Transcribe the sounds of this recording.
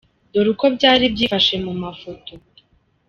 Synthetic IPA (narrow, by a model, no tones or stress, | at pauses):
doɾuko̞bɟaːɾibɟiːfaʃe̞mumafoto̞